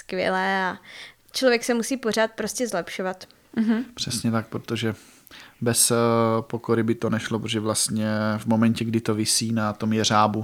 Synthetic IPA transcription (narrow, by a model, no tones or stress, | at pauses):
skvʲjɛ̰lɛːa | t͡ʃlovjɛksɛmusiːpo̞r̝aːt̪̚pɾo̞scɛzlɛpʃovat̪̩ | ɦpr̝̥ɛsɲɛt̪ak̚pɾot̪o̞ʒɛ | bɛspokoɾɪbɪt̪o̞nɛʃlopɾotoʒɛvlast̪ɲɛvmo̞mɛɲcɛɡdɪt̪o̞vɪsiːnat̪o̞mjɛr̝aːbu